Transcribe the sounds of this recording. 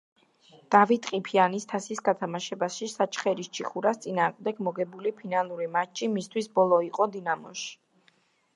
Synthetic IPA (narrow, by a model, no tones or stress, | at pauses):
d̪̥avit̪ʼqʼipʰianist̪ʰasisɡat̪ʰamaʃɛbaʃisat͡ʃʰχɛɾist͡ʃʰiχuɾast̪sʼinaːʁmd̪ɛɡmɔɡɛbulipʰinalˠuɾimat͡ʃʰʼːimist̪ʰwisbɔlˠɔiqʼɔd̪inamɔ̰ʃ